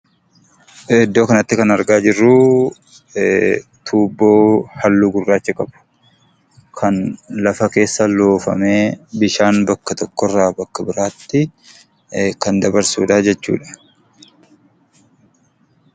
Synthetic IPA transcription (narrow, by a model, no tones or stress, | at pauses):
ɛd̪ːo̞ːkɐnɐt̪ːɪkɐnɐɾɡaːd͡ʒɪrːuː | t̪ʰuːbːo̞ːhɐlːuɡʊrːaːt͡ʃːɪkʼɐb̥ʊ̥ | kʰɐnlɐfɐke̞ːsːɐloːfɐ̰me̞ːbɪʃaːnbɐkːɐt̪ɔkːɔrːaːbɐkːɐbɪɾaːt̪ːɪ | kɐnd̪ɐbɐɾsṵːᶑɐd͡ʒɛt͡ʃːṵːᶑɐ̥